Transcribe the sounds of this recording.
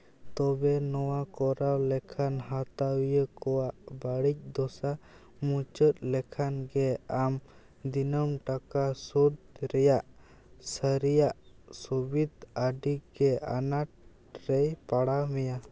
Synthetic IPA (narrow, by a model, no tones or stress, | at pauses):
t̪ɔbɛnɔwakɔɾawlɛkʰanɦat̪awjəkɔwaʔbaɽic̚d̪ɔsa | mut͡ʃət̪̚ˀlɛkʰanɡɛam | d̪inəmʈakasud̪̚ɾɛjaʔ | səɾijaʔ | subid̪aɖiɡɛa̰naʈ̚ | ɾɛjpaɽamɛja